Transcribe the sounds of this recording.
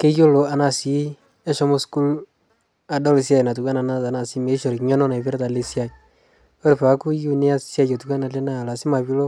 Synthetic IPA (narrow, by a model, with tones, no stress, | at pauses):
ke˦jo˦lo˨a˨na˨si˨˦ | ɛ˦ʃɔ˦mo˦sku˦l | a˨dɔ˦lɪ˨sja˦jna˨tu˨kʷwa˦na˨na˦ta˨na˨si˦me˨˦ʃo˨ɾkɲɛ˦nɔ˦na˨pɪ˦ɾta˨le˦sja˨ | o˦ɾpa˨˦ku˦ju˦ne˦a˦sja˦t͡ʃo˨tu˨ka˦na˨le˦na˦˨la˨sɪ˦ma˨pi˦lo˦